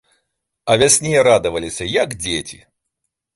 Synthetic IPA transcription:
ɐvʲasʲnʲejɛɾad̪ɨvɐlʲisʲɐjaɡd͡zʲet͡sʲi

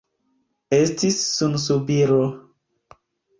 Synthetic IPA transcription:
estisːuns̬ubiɾo

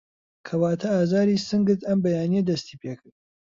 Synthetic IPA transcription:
kʰɐwaːt̪ʰɐaːzaːɾiːsɨŋɡɨɾt̪ɐmbɐjaːnijɐd̪ɐst̪iːpʰeːkʰɨɾd̪̚

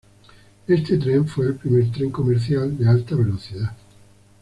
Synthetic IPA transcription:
est̪et̪ɾeɱfweːlpɾimeɾt̪ɾeŋkomeɾθjald̪ealt̪aβeloθiða

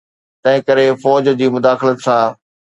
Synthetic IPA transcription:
t̪ɐ̃ɦɪ̃kɐɾefɔːd͡ʑd͡ʑiːmʊd̪aːxlət̪sãː

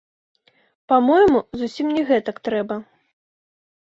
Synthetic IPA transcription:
pamɔjmuzusʲimnʲɛɣɛt̪ɐkt̪ɾɛbɐ

